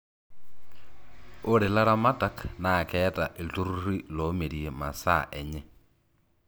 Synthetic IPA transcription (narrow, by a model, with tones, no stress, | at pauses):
o˦ɾe˨la˦ɾa˦ma˦ta˦kna˨kɛː˦ta˨ʔe˨ltu˦ɾuɾi˦lo˨˦me˨ɾie˨ma˨sa̰˦˨ʔɛ˨ɲɛ˦